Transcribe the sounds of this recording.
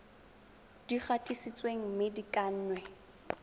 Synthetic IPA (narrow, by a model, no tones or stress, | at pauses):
d̥iχatʼisit͡sʼweŋ̩mɪdikʼan̩ːnwɛ